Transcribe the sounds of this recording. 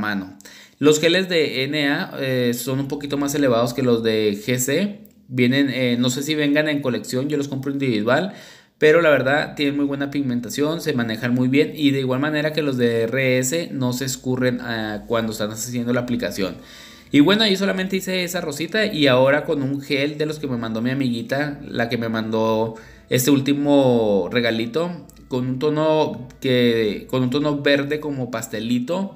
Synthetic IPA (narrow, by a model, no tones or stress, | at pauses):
manolo̞sxe̞le̞zðe̞ene̞aeso̞numpo̞kit̪o̞mase̞le̞β̞að̞o̞ske̞lo̞zðe̞xese | bje̞ne̞neːo̞se̞siβ̞e̞ŋɡane̞ŋko̞le̞ksjo̞nʝo̞lo̞s̬ko̞mpɾoind̪iβiðwal | pe̞ɾo̞laβ̞e̞ɾðaðt̪je̞nenmujβwe̞napiɣmẽnt̪asjo̞nse̞mane̞xanmujβje̞niðe̞iɣwalmãne̞ɾake̞lo̞zðe̞ereese̞no̞se̞skure̞nakwand̪oest̪anasesjend̪olaːplikasjo̞̰n | iβwe̞noajiso̞lamẽnt̪eise̞esaro̞sit̪aʔiao̞ɾako̞nuŋxe̞ld̪e̞lo̞ske̞me̞mãnd̪o̞miamiɣit̪alake̞me̞mãnd̪o̞ | e̞st̪e̞ult̪imo̞re̞ɣalit̪o̞ | ko̞nunt̪o̞no̞keko̞nunt̪̬o̞no̞βe̞ɾðe̞ko̞mo̞past̪e̞lit̪o̞